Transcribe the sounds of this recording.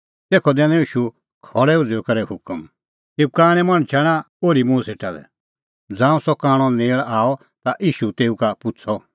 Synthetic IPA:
t̪eːkʰɔd̪ɛ̃ːnɛ̃iːʃu | kʰɔlɛud͡zɔkɐɾɛhʊkəm | t̪eːukaːɽ̃ɛmɐ̃ɽ̃t͡ʃʰɛːɽ̃ã | oːɾimũseːʈalɛ̰ | d͡zãːũsɔkãːɽ̃ɔneːɭaːɔ | t̪aʔiːʃut̪eːukapʊt͡sʰɔ

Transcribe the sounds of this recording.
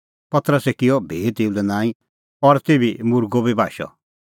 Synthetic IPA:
pɐt̪ɾəsɛkɪjɔbʱeːt̪eːulɛnãːĩ | ɔɾt̪ebʱimʊɾɡobʱibʱaːʃɔ̰

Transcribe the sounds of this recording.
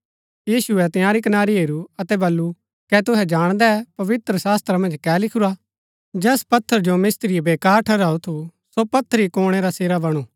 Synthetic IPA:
jiːsuɛt̪ɪjaːɾikɐnaːɾiɦeːɾuɐt̪ɛbɐlːu | kɛt̪ʊɦɛd͡ʒaːɽ̃d̪ɛpɐʋɪt̪ɾəsaːst̪ɾamɐ̃nd͡ʒkɛːlɪkʰuɾa | d͡ʒɛːspɐt̪ʰːəɾd͡ʒomɪst̪ɾiebeːkaːɾʈʰɐɾaːut̪ʰusopɐt̪ʰːəɾikoːɽ̃eɾaseːɾabɐɽ̃uː

